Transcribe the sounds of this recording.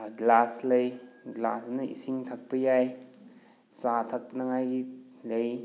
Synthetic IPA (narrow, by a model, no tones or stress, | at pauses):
ɡlaslɐjɡla̰snɐḭsiŋtʰak̚pɐjaj | satʰak̚nɐŋajɡi | lɐj